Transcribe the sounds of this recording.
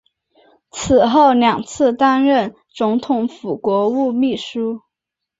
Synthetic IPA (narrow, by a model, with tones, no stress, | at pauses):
t͡s̩ʰ˨˩xo˥˩ʊljɑ˨˩ŋt͡sʰɹ̩˥˧t̪a˥nɻə˥˩n | t͡sʊ˧˥ŋt̪ʰʊ˧˥ŋfu˨˩kwɔ˧˥u˥˧mi˥˩ʂu˥